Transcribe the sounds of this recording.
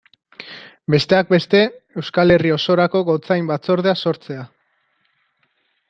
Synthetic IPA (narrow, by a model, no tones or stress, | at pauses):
be̞st̪e̞ak̚be̞st̪e̞e̞wskale̞rio̞so̞ɾako̞ɣo̞t͡sajmbat͡so̞ɾð̞e̞aso̞ɾt͡se̞a